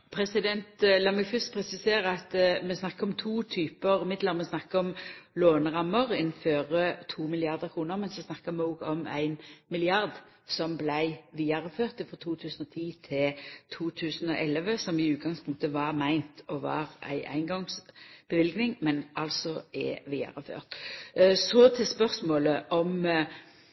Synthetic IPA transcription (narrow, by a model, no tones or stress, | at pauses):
pʰɾɛsɪd̪ɛnt̪lɑːmɛɡfʏst̪pʰɾɛsɪseːɾəɑt̪mɛsnɑkːəɾɔmt̪ʰuːt̪ʰyːpəɾmɪd̪ləʁmɛsnɑkːəɔmloːnəʁɑmːəɾɪnføːɾət̪ʰuːmɪlɪɑʁd̪əʁkʰɾuːnəʁmɛnsɔsnɑkːəmɛɔːɡɔmæ̰ɪnmɪlɪɑʁd̪ | sɔmblæɪʋiːɑɾəføːʁt̪ɪfʁɔt̪ʰuːt̪ʰʉːsən̩ɔt̪ʰiːt̪ʰɪlt̪ʰuːt̪ʰʉːsənɔʔɛləʋəsɔmɪʉːt̪̚ɡɑŋspʰʊŋk̚t̪əʋɑʁmæɪnt̪ɔʋɑ̰ʁæ̰ɪʔæ̰ɪnɡɔŋsb̥əʋɪlɡnɪŋmɛnɑlsɔʔɛ̰ʋiːɑ̰ɾəfø̰ːʁt̪ | sɔt̪ʰɪlspœʁsmoːləʔɔm